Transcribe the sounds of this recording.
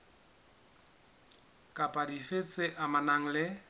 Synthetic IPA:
kʼapʼadifet͡sʼɪʔamanaŋ̩lɪ

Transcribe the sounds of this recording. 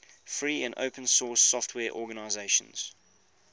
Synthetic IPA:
fɹiːə̃nə̰ʊpʰə̃nsɔːˑsɔftʰwɛːʔɔːɡənaɪzeɪʃə̰̃nz̥

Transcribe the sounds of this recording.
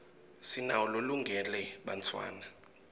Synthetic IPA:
sinaɔloluŋɡʱɛlɛɓantʰwa̰ːna

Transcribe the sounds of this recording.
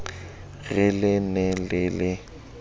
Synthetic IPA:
ɣɪlɪnɛlɪlɪ

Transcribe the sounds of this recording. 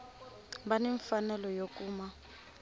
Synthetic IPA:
baniɱfanɛlɔjok̬ʼuːma

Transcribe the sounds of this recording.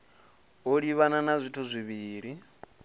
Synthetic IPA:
oɺiβananazʷitʰuzʷiβiːɺi

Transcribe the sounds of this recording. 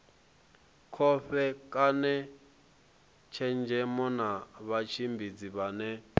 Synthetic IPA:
kʰɔɸɛkʼanɛ | t͡ʃʰɛnd͡ʒʱɛmɔnaβat͡ʃʰimbʱid͡ziβanɛ

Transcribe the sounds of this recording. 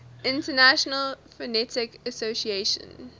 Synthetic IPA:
ʔɪ̃ntənæʃənəlfɹɛnɛtɪkəsosieʃə̰̃n

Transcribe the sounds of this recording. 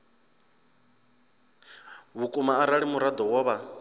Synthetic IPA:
βukʼumaːɾaɺimuɾad̪ɔwɔːβa

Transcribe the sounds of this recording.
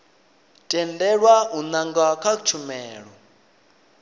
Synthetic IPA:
tʼɛndɛɺwaunaŋɡakʰat͡ʃʰumɛːɺɔ

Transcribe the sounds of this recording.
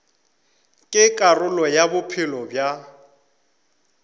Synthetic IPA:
kʼɪkʼarʊlɔjabʊpʰɪlɔbja

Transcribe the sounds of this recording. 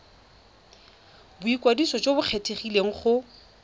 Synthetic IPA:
bʊikʼwadisɔt͡ʃʼobʊq͡χʰetʰʼeχileŋ̩χʊ

